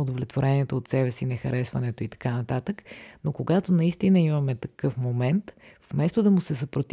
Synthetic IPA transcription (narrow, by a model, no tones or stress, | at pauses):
od̪ovlʲɛt̪voɾɛniɛt̪oːt̪sɛbɛsinɛxɐɾɛsvɐnɛt̪oit̪ɐ̥kanɐt̪at̪əknokoɡat̪onɐist̪inəimɐmɛt̪ɐkɤfmomɛnt̪fmɛst̪od̪ɐmʊsɛsɐpɾot̪